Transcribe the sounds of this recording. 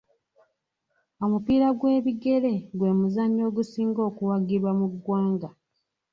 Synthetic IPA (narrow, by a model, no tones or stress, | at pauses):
o̞mupiːɾaɡwe̞ːβiɡe̞ɾe̞ɡwe̞ːmuzaɲːo̞ːɡusiːŋɡo̞ːkuwaɡiβwamuɡwaːŋɡa